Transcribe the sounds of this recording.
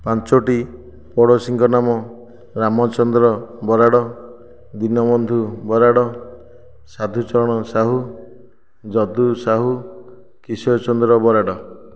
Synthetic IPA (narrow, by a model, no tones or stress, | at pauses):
pant͡ʃoʈi | pɔɽɔsiŋkɔnamɔ | ɾamɔt͡ʃɔnd̪ɾɔbɔɾaɽɔ | d̪inɔmɔnd̪ʱubɔɾaɽɔ | sad̪ʱut͡ʃɔɾɔɽ̃ɔsaɦu | d͡ʒɔd̪usaɦu | kisɔt͡ʃɔnd̪ɾɔbɔɾaɽɔ